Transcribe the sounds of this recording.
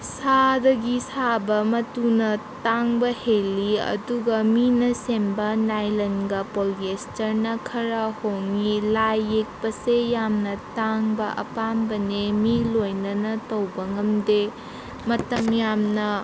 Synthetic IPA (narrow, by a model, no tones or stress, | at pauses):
sadɐɡisabɐmɐtunɐtaŋbɐhelːiɐ̰duɡɐminɐsembɐnajlɐnɡɐpolkestɐɾnɐkʰɐɾɐhoŋilajːek̚pɐsejamnɐtaŋbɐʔɐ̰pambɐnemilojnɐnɐtɐwbɐŋɐmde | mɐtɐmjamnɐ